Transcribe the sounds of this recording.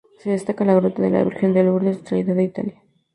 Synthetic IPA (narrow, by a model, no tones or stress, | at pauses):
seðest̪akalaɣɾut̪aðela̰βḭɾxend̪elβuɾðest̪ɾaiðaðeit̪a̰lja